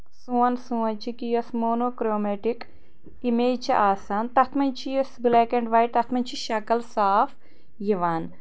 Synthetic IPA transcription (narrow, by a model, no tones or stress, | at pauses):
sũʋɐnsũɐɲt͡ʃikijosmoːnoːkɾoːmeʈik | imeːt͡ʃɐ̰ʔaːsaːnt̪ɐt̪ʰmɐnt͡ʃʰijosbleːkeɳɖʋɐjʈ̚t̪ɐt̪ʰmɐɲt͡ʃʰiʃɐkɐlsaːf | jiʋaːn